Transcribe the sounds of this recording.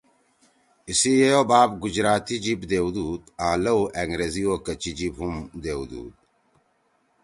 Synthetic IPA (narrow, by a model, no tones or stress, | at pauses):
isijeobaːbɡud͡ʑɾaːt̪id͡ʑibd̪eːwd̪uːd̪ãːlɐwʔeŋɡɾeziokɐt͡ɕid͡ʑibɦumd̪eːwd̪ṵːd̪̚